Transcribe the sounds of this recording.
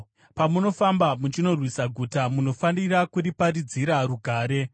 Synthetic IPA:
pamuno̞fambamut͡ʃino̞rwisaɡʱutamuno̞fanirakuɾipaɾid͡ziɾaɾuɡʱaːɾe̞

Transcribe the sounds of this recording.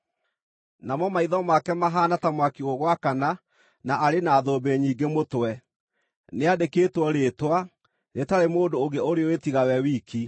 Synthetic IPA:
namɔmaiðɔmakɛmaɦaːnatamwakioɣwakana | naʔaɾenaːðoːbeɲiːɡemotwɛ | neadekeːtwɔɾeːtwa | netaɾemoːndooɣeoɾeɔwetiɣawɛwiːki

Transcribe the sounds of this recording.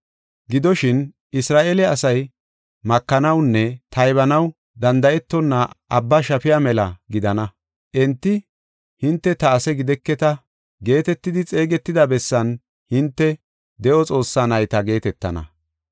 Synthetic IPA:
ɡɪd̪ɔʃɪn | ɪsɾaːʔelɛɐsɐj | mɐkːɐnɐwnːɛt̪ɐjβɐnɐw | d̪ɐnd̪ɐʔɛt̪ːɔnːaʔɐbːɐʃɐpɪjamɛlɐ̰ɡɪd̪ɐnɐ | ʔɛnt̪ːɪ | hɪnt̪ːɛt̪ɐːsɛɡɪd̪ɛkːɛt̪ɐ | ɡe̞ːt̪ɛt̪ːɪd̪ɪt͡sʼe̞ːɡɛt̪ːɪd̪ɐbɛsːɐn | hɪnt̪ːɛ | d̪ɛʔɔt͡sʼo̞ːsːaːnɐjt̪ɐɡe̞ːt̪ɛt̪ːɐ̰nɐ̰

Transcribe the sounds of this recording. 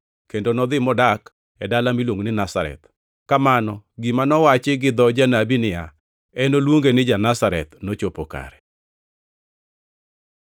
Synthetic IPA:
kendonɔd̪ɪmɔdak | ɛdalamilwoŋnɪnasaɾɛ̰t̪ | kamanɔɡimanɔwat͡ʃɪɡɪd̪ɔd͡ʒanabinɪja̰ | ɛnolwoŋɡenɪd͡ʒanasaɾɛ̰t̪not͡ʃopoka̰ɾɛ

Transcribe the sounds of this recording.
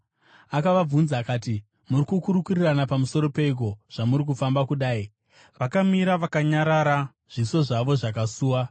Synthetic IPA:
akaʋab͡vunzaːkaːti | murikukuɾukuriranapamuso̞ɾope̞ik̬o̞ʐ̥amuɾik̬ufambakuɗaːi | ʋakamiɾaʋakaɲaɾaɾa | ʐ̥iso̞ʐaʋo̞ʐak̬asuːwa

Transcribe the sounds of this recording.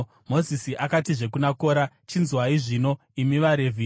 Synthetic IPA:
mo̞zisiʔakatiʐe̞k̬unako̞ːɾa | t͡ʃinzwaiʐino̞ | imiʋaɾe̞vʱi

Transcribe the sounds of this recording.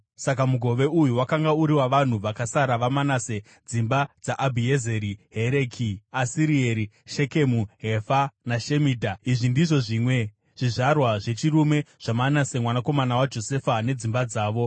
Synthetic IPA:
sakamuɡʱo̞ʋe̞ujuwakaŋɡauɾiwaʋan̤uʋakasaɾaʋamanase̞ | d͡zimbad͡zaʔabʱiezeɾiɦe̞ɾe̞kʰiasiɾieɾi | ʃe̞ke̞muɦefanaʃe̞miːdʱaiʐindiʐo̞ʐiːmwe̞ | ʐ̥iʐarwaʐe̞t͡ʃirume̞ʐ̥amanasemwanako̞manawad͡ʒo̞se̞fane̞d͡zimbad͡zaːʋo̞

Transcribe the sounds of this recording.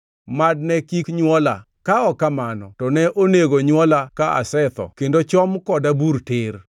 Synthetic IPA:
mad̚nɛkikɲwɔla̰ | kaɔkamanɔ̰tɔnɛʔoneɡoɲwɔlakaa̰sɛt̪ɔ̰kendot͡ʃɔmkɔdabuɾtɪr

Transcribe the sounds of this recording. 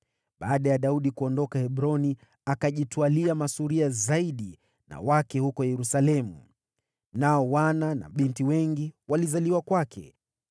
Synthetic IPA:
ɓaːɗajaɗauɗikuɔndɔkahɛɓɾɔni | akaʄitwaliamasuɾiazaiɗi | na̰wakɛhukɔjɛɾusalɛmu | naɔwanana̰ɓintiwɛŋɡiwalizaliwakwakʰɛ̰

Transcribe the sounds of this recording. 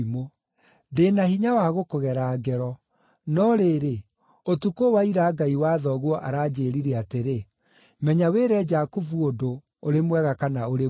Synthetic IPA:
mo | deːnahiɲawaːɣokoɣɛɾaːɡɛɾɔ | nɔɾeːɾe | otukowaiɾaːɡaiwaːðɔɣwɔʔaɾaːd͡ʑeːɾiɾɛateɾe | mɛɲaweːɾɛd͡ʒakuvuodo | oɾemwɛɣakanaoɾe

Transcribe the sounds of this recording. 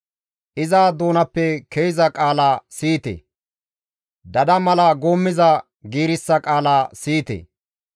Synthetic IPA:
ʔɪzaːd̪oːnɐpːɛkʰejzɐkʼaːlaːsiːt̪ɛ̰ | d̪ɐd̪ɐmɐlɐɡoːmːɪzɐ | ɡiːɾɪsːɐkʼaːlaːsiːt̪ḛ

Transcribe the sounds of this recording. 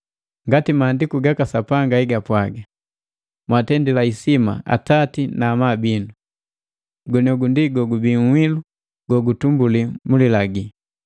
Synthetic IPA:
ŋɡatimaːndikuɡakasapaŋɡaiɡapwaɡa | mwatɛndilaisima̰a̰tatinaːmabindu | ɡɔnɔɡundiɡɔɡubiŋwilu | ɡɔɡutumbulimulilaɡi

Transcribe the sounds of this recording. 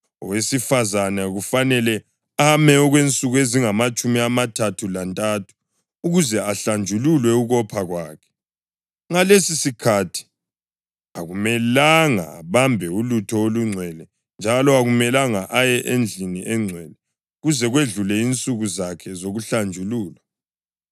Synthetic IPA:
ɔwesifazanaɣufanɛlɛ | amɛɔɣwent͡sʼuɣueziŋamat͡ʃʼumiamatʰatʰulantʼatʰu̥ː | ɣuzɛaɬand͡ʒʱululwɛuɣɔpʰaɣwaːkʰɛ̥ | ŋalesisikʰatʰi̥ | aɣumɛlaŋa̰βambʱɛulutʰɔoluŋ͡ǀʱwɛlɛ | nd͡ʒʱalɔaɣumɛlaŋaʔajɛʔend͡ɮʱiniʔɛŋ͡ǀʱwɛlɛ | ɣuzɛɣweɮulɛint͡sʼuɣuzakʰɛzoɣuɬand͡ʒʱuluːla

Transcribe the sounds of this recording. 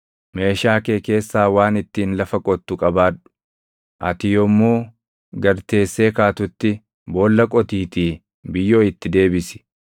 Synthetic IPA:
me̞ːʃaːke̞ːke̞ːsːaːwaːnɪt̪ːiːnlɐfɐkʼɔt̪ːʊkʼɐbaːᶑʊ̥ | ʔɐ̰t̪ɪjɔmːuː | ɡɐɾt̪e̞ːsːe̞ːkaːt̪ʊt̪ːɪ | bo̞ːlːɐkʼɔt̪iːt̪iː | bɪjːo̞ːɪt̪ːɪd̪e̞ːbɪsɪ̥

